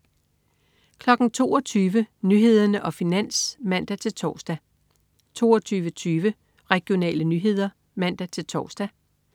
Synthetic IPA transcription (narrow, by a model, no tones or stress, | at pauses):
kʰlɒ̽ɡ̥n̩t͡sʰo̝ːɒ̽t͡sʰyːʋənyɦe̝ð̞̰ˠɐnəʔɒ̽finæn̰smæn̰d̥æt͡sʰe̝lt͡sʰɒ̰ːsd̥æ | t͡sʰo̝̰ːɒt͡sʰyːʋət͡sʰyːʋə | ʁɛɡ̥jo̝nɛ̰ːlənyɦe̝ð̞̰ˠɐ | mæn̰d̥æt͡sʰe̝lt͡sʰɒ̰ːsd̥æ